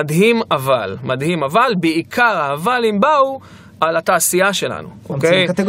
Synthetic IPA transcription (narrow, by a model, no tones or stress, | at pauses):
adɦimavalmadhimavalbeikʰaʁaːvalimbau | ʔalat̪aːsijaʃe̞la̰nṵokejɡ